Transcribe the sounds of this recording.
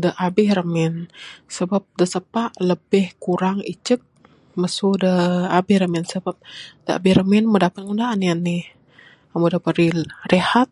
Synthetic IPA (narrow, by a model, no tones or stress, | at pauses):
dəʔabɪhrəmɛnsəbap̚dəsəpaʔləbɪhkuɾaŋḭt͡ʃək̚ | məsudəabɪhɾəmɛnsəbap̚d̥əa̰bɪhrəmɛnmədapat̪̚ŋundaːnianːɪh | amudəpəɾirehat̪̚